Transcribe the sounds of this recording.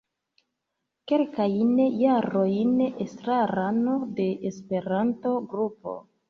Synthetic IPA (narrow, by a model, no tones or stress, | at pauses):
ke̞lkajnjaɾo̞jnestɾaɾano̞de̞ʔːspe̞ɾanto̞ɡɾupo̞̰